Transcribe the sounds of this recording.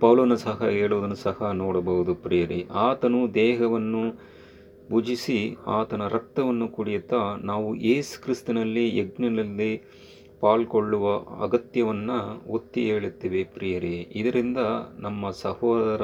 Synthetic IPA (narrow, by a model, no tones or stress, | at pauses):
pɐʋlɐʋɐnːusɐɦɐɦeːɭuʋd̪ɐnːusɐhɐnoːɽɐbɐɦud̪upɾijɐɾiʔaːt̪ɐnud̪ɛːɦɐʋɐnːu | bʱud͡ʒisiaːt̪ɐnɐɾɐk̚t̪ɐʋɐnːukuɽijut̪ːɐnaːʋuʔeːsu̥kɾist̪unɐlːieɡnɐnɐlːi | paːlkoɭːuʋɐɐ̰ɡɐt̪jɐʋɐnːɐot̪ːieːɭut̪ːiːʋepɾijɐɾeid̪ɐɾind̪ɐnɐmːɐsɐhɔːd̪ɐɾɐ